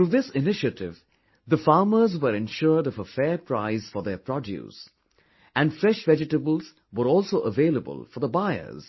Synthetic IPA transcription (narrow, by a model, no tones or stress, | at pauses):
tɾuːðɪsɪnɪʃətɪ̰v | ðəfɑːməzwəɾɛ̃nʃʊɾɖɔvəfɛːɾpʰɾaɪz̥fɔɾðəpʰɾɔdjṵs | æ̃nɖfɾɛʃvɛd͡ʒɪʈəbəl̩ˠz | wəɾɔːlˠsoːʔəveːləbə̰lfɔɾðəbaɪə̰z̥